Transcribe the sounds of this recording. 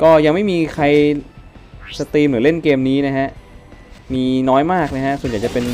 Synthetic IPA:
kɔː˥˩ja˧ŋma˥˩jmiː˧kʰa˧j | sa˧t̪iː˧mlɾɯː˩˦le˥˩nkeː˧mniː˦˥na˦˥kʰa˦˥ʔ | miː˧nɔː˦˥jmaː˥˩k̚na˦˥kʰa˦˥ʔsu˨˩˦nja˨˩jt͡ɕa˨˩pe˧n

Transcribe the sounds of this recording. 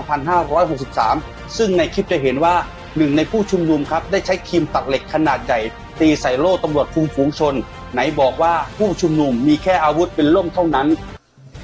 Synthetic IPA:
ŋpʰa˧nɦaː˥˩ɾɔː˦˥jɦo˨˩k̚si˨˩p̚sa̰ː˩˦m | sɯ˥˩ŋna˧˥jkʰi˦˥p̚t͡ɕa˨˩jɦe˩˦nwaː˥˩ | nɯ˨˩ŋna˧jpʰuː˥˩t͡ɕʰu˧mnu˧mkʰa˦˥p̚daː˥˩jt͡ɕʰa˦˥jt̪ʰiː˧mt̪a˨˩p̚le˨˩kʰːa˧naː˨˩t̪̚ja˨˩j | t̪iː˧sa˨˩˦jloː˥˩t̪a˧mɾu˨˩ət̪̚fʰu˧ŋfuː˩˦ŋt͡ɕʰo˧nː | a˩˦jbɔː˨˩k̚waː˥˩pʰuː˥˩t͡ɕʰu˧mnu˧mːiː˧kʰɛː˥˩ʔaː˧wu˦˥t̪̚pe˧nlo˥˩mt̪ʰa˥˩wna˦˥n

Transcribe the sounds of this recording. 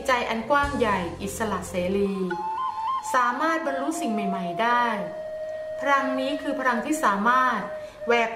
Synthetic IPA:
t͡ɕa˧jʔa˧nkwaː˥˩mja˨˩jʔi˨˩t̪̚sa˧la˨˩ʔseː˩˦liː˧ | saː˩˦maː˥˩t̪̚ba˧nɾu˦˥si˨˩ŋma˨˩jma˨˩jdaː˥˩j | pʰa˧ɾa˧ŋniː˦˥kʰɯː˧pʰa˧ɾa˧ŋt̪ʰiː˥˩saː˩˦maː˥˩t̪̚ | wɛː˨˩k̚

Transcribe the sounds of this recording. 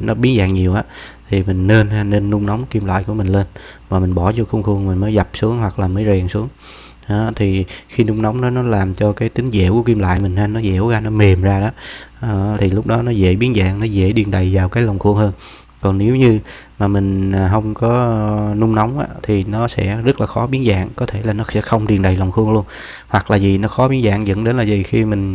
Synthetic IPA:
nɔ˨˦ɓi˨˦ənza̰ː˧˨ŋɲi˨˩əwʔaː˨˦t̪ʰi˨˩mï˨˩ŋ̟ne˧na˧ne˧nːʊ˧ŋ͡mnɔ˨˦wŋ͡mki˧mla̰ː˧˨jku˧˩əmï˨˩ŋ̟le˧nmaː˨˩mï˨˩ŋ̟ɓɔ˧˩zɔ˧xə˧ŋ͡mxu˧əŋmï˨˩ŋ̟məː˨˦jza˨˩p̚su˨˦əŋɦwa˨˩k̚laː˨˩məː˨˦jzɛː˨˩ŋsu˨˦əŋ | ʔa˨˦t̪ʰi˨˩xi˧nʊ˧ŋ͡mnɔ˨˦wŋ͡mnɔ˨˦nɔ˨˦laː˨˩mt͡ɕɔ˧kaː˨˦jt̪ï˨˦ŋ̟zɛ̰˧˩ku˧˩ək̬i˧mla̰ː˧˨jmï˨˩ŋ̟haː˧nɔ˨˦zḛ˧˩wɣaː˧nɔ˨˦me˨˩mzaː˧ɗɔ˨˦˨ | t̪ʰi˨˩lʊ˦˥k͡p̚ɗɔ˨˦nɔ˨˦zḛ˧˥ɓi˨˦ənza̰ː˧˨ŋnɔ˨˦zḛ˧˥ɗi˨˩ənɗə˨˩jvaː˨˩wkaː˨˦jlə˨˩wŋ͡mxɨ˧əŋhəː˧n | kɔ˨˩nne˨˦wɲɨ˧ | maː˨˩mï˨˩ŋ̟ː˨˩ɦə˧wŋ͡mkɔ˨˦nʊ˧ŋ͡mnɔ˨˦wŋ͡mʔa̰ː˧˦t̪ʰi˨˩nɔ˨˦sɛ̰˧˥zə˦˥t̚laː˨˩xɔ˨˦ɓi˨˦ənza̰ː˧˨ŋkɔ˨˦t̪ʰe˧˩laː˨˩nɔ˨˦sɛ̰˧˥xə˧wŋ͡mɗi˨˩ənɗa˨˩jlə˨˩wŋ͡mxɨ˧əŋlu˧ən | hwa˨˩k̚laː˨˩zi˨˩nɔ˨˦xɔ˨˦ɓi˨˦əŋza̰ː˧˨ŋzə̰˧˥nɗe˨˦nlaː˨˩zi˨˩xi˧mï˨˩ŋ̟

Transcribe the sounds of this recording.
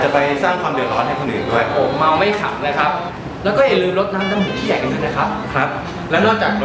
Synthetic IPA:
t͡ɕa˨˩pa˧jsaː˥˩ŋkʰwaː˧mdɯ˨ət̪̚ɾɔː˦˥nha˥˩jkʰo˧˩nʔɯ̰ː˨˩nduː˥˩jʔoː˨˩k̚ma˧wma˥˩jkʰa̰˨˩p̚laː˦˥jkʰɾa˦˥p̚ | lɛː˦˥wkɔː˥˩ja˨˩lɯː˧mɾo˦˥t̪̚naː˦˥mnaː˦˥mhiː˧˩˦t̪ʰiː˥˩ja˨˩jka˧nsʰa˥˩na˦˥jkʰɾa˦˥p̚kʰɾa˦˥p̚ | lɛː˦˥wnɔː˥˩k̚t͡ɕaː˨˩k̚

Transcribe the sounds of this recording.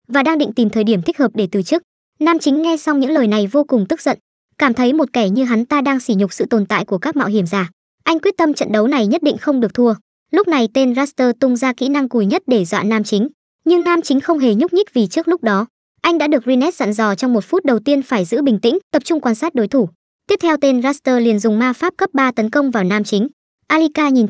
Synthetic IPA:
vaː˨˩ɗaː˧ŋɗḭ˧˨ŋ̟t̪i˨˩mt̪ʰəː˨˩jɗi˧˩əmt̪i˦˥k̚hə˨˩p̚ɗe˧˩t̪ɨ˨˩t͡ɕɨ˦˥ək̚ | naː˧mt͡ɕï˨˦ŋ̟ŋɛ˧sa˧wŋ͡mɲɨ̰˧˥ŋləː˨˩jna˨˩jvo˧kʊ˨˩ŋ͡mt̪ɨ˦˥k̚zə̰˧˨n | kaː˧˩mt̪ʰə˨˦jmo˨˩t̚kɛ˧˩ɲɨ˧ɦa˨˦nt̪aː˧ɗaː˧ŋsi˧˩ɲʊ˨˩k͡p̚sɨ̰˧˨t̪o˨˩nt̪a̰ː˧˨jku˧˩əkaː˦˥k̚ma̰ː˧˨wɦi˧˩əmzaː˨˩ | ʔa˧jŋkwi˦˥ət̚t̪ə˧mt͡ɕə̰˧˨nɗə˨˦wna˨˩jɲə˦˥t̚ɗḭ˧˨ŋ̟xə˧wŋ͡mɗɨ˨˩ək̚t̪ʰu˧ə | lʊ˦˥k͡p̚na˨˩jt̪e˧nzaː˦˥st̪əː˧t̪ʊ˧ŋ͡mzaː˧kḭ˧˥na˧ŋku˨˩jɲə˦˥t̚ɗe˧˩zwa̰ː˧˨naː˧mt͡ɕï˨˦ŋ̟ | ɲɨ˧ŋnaː˧mt͡ɕï˨˦ŋ̟xə˧wŋ͡mɦe˨˩ɲʊ˦˥k͡p̚ɲï˦˥k̚vi˨˩t͡ɕɨ˦˥k̚lʊ˦˥k͡p̚ɗɔ˨˦ | ʔa˧jŋ̟ɗa̰ː˧˥ɗɨ˨˩ək̚zi˧nɛ˦˥t̚za̰˧˨nzɔ˨˩t͡ɕɔ˧wŋ͡mmo˨˩t̚fu˦˥t̚ɗə˨˩wt̪i˧ənfaː˧˩jzɨ̰˧˥ɓï˨˩ŋ̟t̪ï˧˥ŋ̟t̪ə˨˩p̚t͡ɕʊ˧ŋ͡mkwaː˧nsaː˦˥t̚ɗo˨˦jt̪ʰu˧˩ | t̪i˦˥əp̚t̪ʰɛ˧wt̪e˧nzaː˦˥st̪əː˧li˨˩ənzʊ˨˩ŋ͡mmaː˧faː˦˥p̚kə˦˥p̚ɓaː˧t̪ə˨˦nkə˧wŋ͡mvaː˨˩wnaː˧mt͡ɕï˨˦ŋ̟ | ʔaː˧li˧kaː˧ɲi˨˩n

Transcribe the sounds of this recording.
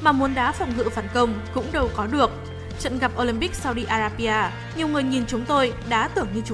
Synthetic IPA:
maː˨˩mu˨˦ənɗaː˨˦fɔ˨˩wŋ͡mɦɨ̰˧˨faː˧˩nkə˧wŋ͡mkʊ̰˧˥ŋ͡mɗə˨˩wkɔ˨˦ɗɨ˨˩ək̚ | t͡ɕə̰˧˨nɣa˨˩p̚ʔo˧li˧mpi˦˥k̚saː˧wɗi˧ʔaː˧zaː˧ɓi˧ʔaː˧ | ɲi˨˩əwŋɨ˨˩əjɲi˨˩nt͡ɕʊ˨˦ŋ͡mt̪o˧jɗa̰ː˧˥t̪ɨ˧˩əŋɲɨ˧t͡ɕ

